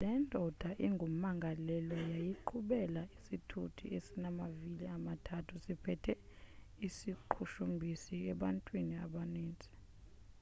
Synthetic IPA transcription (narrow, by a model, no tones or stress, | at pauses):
lɛndʱɔd̥ʱaʔiŋɡʱum̩ːaŋɡʱalɛlɔjajiǃʰuɓɛlaisitʰutʰḭesinamaviliamatʰatʰusipʰɛtʰɛ | isiǃʰuʃumbʱisiɛɓantʼwiniaɓaneːnt͡sʼi̥